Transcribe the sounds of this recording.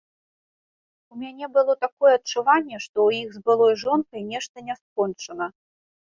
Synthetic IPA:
umʲanʲɛbɨlˠɔt̪akɔjɛɐt̚t͡ʂːuvanʲːɛʂt̪ɔwjiɣzbɨlˠɔjʐɔnkɐjnʲɛʂt̪ɐnʲɛskɔnt͡ʂɐnɐ

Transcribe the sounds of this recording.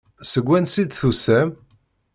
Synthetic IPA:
səɡʷːænsid̪θusæm

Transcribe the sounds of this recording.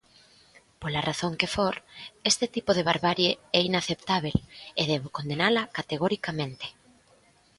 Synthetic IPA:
polaraθoŋkefoɾest̪ɪt̪ipoðeβ̞aɾβaɾjeɛinaθept̪aβ̞eleðɛβokond̪enalɐkat̪eɣɔɾikamẽnt̪e̥

